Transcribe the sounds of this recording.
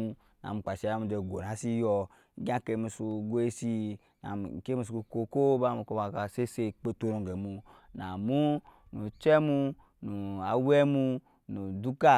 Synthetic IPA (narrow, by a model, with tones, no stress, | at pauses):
na̰˨mu˨k͡pa˨ʃe˨˦a˦mu˨de˨ɡo˨na˨˦si˦jɔ˦ | ɡã˦ke˨˦mi˨su˨ɡo˦e˦si˦ | na̰˨ke˦mi˨su˨o˨ko˦ko˦ba˦mu˨ko˦ba˨ka˨se˦se˦k͡pe˦to˦ɾo˨ŋɡe˨mu˦na˨mu˦ | nu˨t͡ʃɛ˦mu˦ | nu˨a˨wɛ˦mu˦ | nu˨du˦ka˦